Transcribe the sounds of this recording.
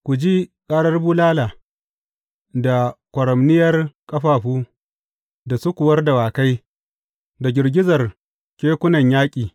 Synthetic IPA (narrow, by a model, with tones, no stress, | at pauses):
kʷu˨d͡ʒi˦kʼaː˦ɽɐ˦rbuː˦laː˦laː˨ | da˨kʷɐ˨ɾɐ˨mnɪ˦jɐ˦rkʼɐ˦ɸaː˨ɸuː˦ | da˨su˦kʷʊ˨wɐ˦rda˨waː˨ka˦j | da˨ɡʲɪ˨rɡʲɪ˦zɐ˨r | kʲeː˦kʷʊ˦nɐ˨ɲjaː˦kʲʼiː˨